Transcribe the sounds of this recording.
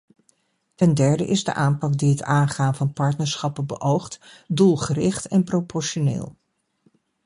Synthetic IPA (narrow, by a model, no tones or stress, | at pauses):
tɛndɛɹdə̰ʔɪzdə̰ʔaːmpɑk̚diətaːnχaːnvɑnpɑɹtnəɹsχɑpəbəʔowχtdulˠχərɪχtɛnpropɔɹʃonḛːlˠ